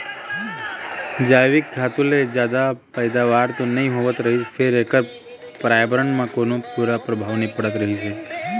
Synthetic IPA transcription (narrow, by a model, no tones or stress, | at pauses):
d͡ʒajʋɪk̚ɡʰʱat̪uled͡ʒjad̪apəjd̪aʋaɾt̪onəɦĩɦoʋət̪ɾəɦifʰeɾekə | pɾajbɾəɳmãkonopuɾapɾəbʱaʋnipəɽət̪ɾəɦit͡ʃʰe